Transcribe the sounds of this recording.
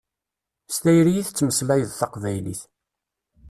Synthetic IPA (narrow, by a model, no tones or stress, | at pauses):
st̪æjɾijiθt͡sːməslæjəðθɑqvæjlḭθ